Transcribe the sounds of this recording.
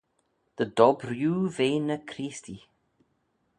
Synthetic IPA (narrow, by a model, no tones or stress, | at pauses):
ðədɔbrjuːveːnəkʰɾiːsti